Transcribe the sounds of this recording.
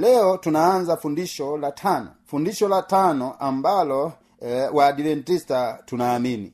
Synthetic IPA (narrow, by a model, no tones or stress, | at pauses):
lɛɔtunaːnd͡ʒafundiʃɔlatʰanɔ̰fundiʃɔlatanɔambalɔ | wadivɛntistatunaːminḭ